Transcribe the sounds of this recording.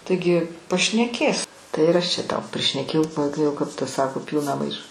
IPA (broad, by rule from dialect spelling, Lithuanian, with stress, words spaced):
tɐɪˈɡʲɪ pɐʃʲnʲɛˈkʲeːs ˈtɐɪ ɪr ˈɐʃ t͡ʃʲɛ ˈtɐʊ pʲrʲɪʃʲnʲɛˈkʲeːjɛʊ kɐɪ ˈjɛʊ kɐp ˈtɐ ˈsɑːkoː ˈpʲiːlˠnɐ ˈmɐɪʃɐ